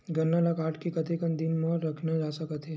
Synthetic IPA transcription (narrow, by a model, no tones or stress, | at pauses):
ɡɐnːalakaːʈkikɐt̪ekənd̪ɪnməɾɐkʰnad͡ʒaːsɐkət̪ɦɛː